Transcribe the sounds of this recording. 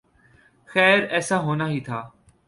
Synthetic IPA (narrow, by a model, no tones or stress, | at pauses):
xɛːɾɛːsaɦoːnaːɦiːt̪ʰaː